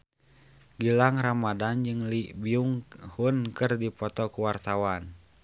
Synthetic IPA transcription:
ɡilaŋramadand͡ʒɨŋlibiuŋhunkɨrdipɔt̪ɔkuwart̪awan

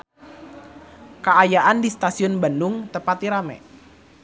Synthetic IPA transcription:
kəajaʔandist̪asiɔnbandʊŋt̪əpat̪iɾamɛ̰

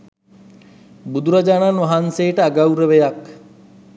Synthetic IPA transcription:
bud̪uɾad͡ʒaːnanʋaɦanseːʈəaɡawɾəʋejak

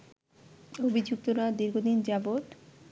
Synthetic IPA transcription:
obʱid͡ʑuk̚t̪oɾad̪iɾɡʱod̪ind͡ʑaboʈ

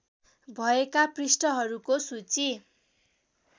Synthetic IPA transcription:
bʱʌekaprisʈʌɦʌɾukosut͡si

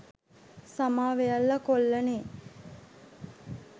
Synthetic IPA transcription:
samaːʋejɐlːɐkolːɐneː

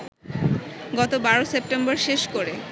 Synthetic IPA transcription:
ɡɔt̪obaɾosep̚ʈemboɾʃeʃkoɾe

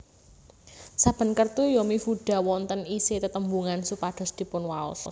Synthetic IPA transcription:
sab̥ə̤nkərt̪ujɔmifuɖ̥a̤wɔnt̪əniset̪ət̪əmbuŋansupad̥ɔ̤sd̪̥i̤pʊnwaɔ̰s

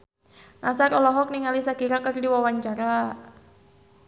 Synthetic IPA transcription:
nasaɾɔlɔɦɔk̚niŋalisakiɾakɨrdiwawaɲt͡ʃaɾa

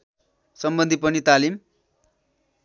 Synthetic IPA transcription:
sʌmbʌnd̪ʱipʌnit̪alim

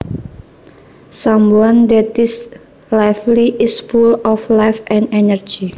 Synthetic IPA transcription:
samwand̪ɛt̪ɪs | lajfliʔɪsfulɔflajfɛ̃nɛnərd͡ʒi

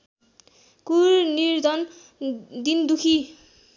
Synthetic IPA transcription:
kuɾniɾd̪ɔn | d̪ind̪ukʰi

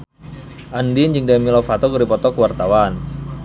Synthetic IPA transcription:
ʔandind͡ʒɨŋdamilɔfat̪ɔkəɾipɔt̪ɔkəwart̪awan

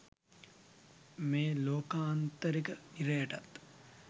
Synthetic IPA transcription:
meːloːkaːnt̪əɾikəiɾejəʈat̪

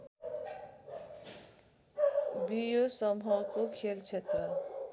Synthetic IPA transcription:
bijosʌmɦʌkokʰelt͡sʰet̪rʌ

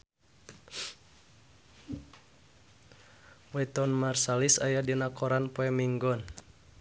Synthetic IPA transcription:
wɛt̪ɔnmarsalisajadinakɔɾanpoɛmiŋɡɔn

